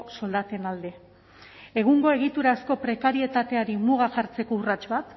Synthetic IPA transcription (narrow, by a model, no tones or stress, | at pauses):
so̞ld̪at̪e̞nald̪e̞ | eɣ̞uŋɡo̞e̞ɣ̞it̪uɾasko̞pɾe̞kaɾie̞t̪at̪e̞aɾimuɣaxaɾt͡se̞ko̞urat͡ʃβat̪